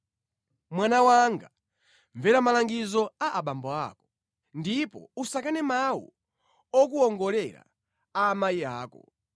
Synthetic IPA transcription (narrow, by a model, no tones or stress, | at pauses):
mwanawaŋɡa | ɱvɛɾamalaŋɡizɔaʔaɓambɔa̰ːkɔ̥ | ndipɔ̰usakanɛmawṵ | ɔk̬uɔŋɡɔlɛɾa̰ | amaiaːkɔ̰